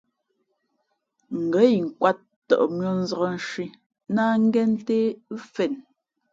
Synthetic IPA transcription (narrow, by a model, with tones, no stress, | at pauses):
ŋ̩˨ɡə˨˦i˨ŋ̩˨kwa˦t̚ːɔ̰˨ʔmɥɔ˦n̩˦zɔ˨ɣɔ˦˨n̩˦ʃɥi˦ | na˦ŋ̩˦ɡɛ˦n˦te˦fɛ˨n